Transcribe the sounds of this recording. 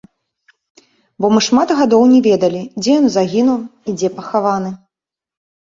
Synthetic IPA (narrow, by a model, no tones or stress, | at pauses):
bɔmɨʂmat̪ɣad̪ɔwnʲɛvʲɛd̪ɐlʲid͡zʲɛjɔnzaɣʲinuwid͡zʲɛpɐxavanɨ